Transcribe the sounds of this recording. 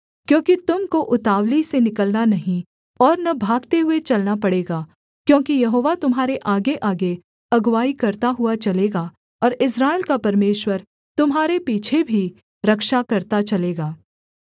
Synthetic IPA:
kjõːkit̪ʊmkoʔʊt̪aːʋlisenɪkəlnanɐɦĩ | ɔːɾnɐbʱaːɡt̪eɦʊet͡ʃɐlnapɐɽeːɡaː | kjõːkijɐɦoːʋat̪ʊmɦaːɾeʔaːɡeʔaːɡe | ɐɡwaːikɐɾt̪aɦʊat͡ʃɐleːɡa | ɔːɾɪsɾaːɪlkapɐɾmeːʃwəɾ | t̪ʊmɦaːɾepiːt͡ʃʰebʱi | ɾɐkʃakɐɾt̪at͡ʃɐleːɡaː

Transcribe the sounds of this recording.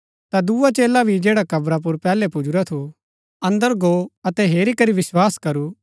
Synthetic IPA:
t̪ad̪uːat͡ʃeːlabʱid͡ʒeːɽakɐbɾap̬ʊɾpɛːlɛpʊd͡ʒuɾat̪ʰu | ɐ̃nd̪əɾɡoɐt̪ɛɦeːɾikɐɾiʋɪswaːskɐɾu

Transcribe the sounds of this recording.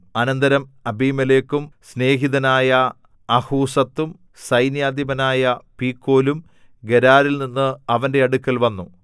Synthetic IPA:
ɐnɐnd̪ɐɾɐmɐbiːmɐleːkːumsne̞ːɦiðɐnaːjɐː | huːsɐt̪ːum | sɐjnjaːd̪jɐbɐnaːjɐpiːkːo̞ːlum | ɡeɾaːɾilninːɨɐʋɐnde̞ɐɽukːɐlʋɐnːu

